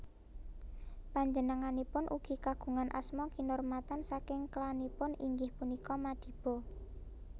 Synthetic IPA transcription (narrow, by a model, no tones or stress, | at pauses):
paɲd͡ʒənəŋanipʊnʔuɡ̥i̤kaɡ̥ṳŋanʔa̰smɔkinʊrmat̪ansakɪŋklanipʊniŋɡɪhpunikɔmad̪̥i̤b̥ɔ